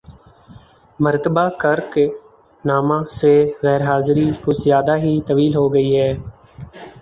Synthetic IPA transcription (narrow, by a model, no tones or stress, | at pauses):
məɾt̪əbaːkəɾke | naːmãːseːɣɛːɾɦaːzɾiːkʊt͡ʃzjaːd̪aːɦiːt̪əʋiːlɦoːɡəiːɦɛː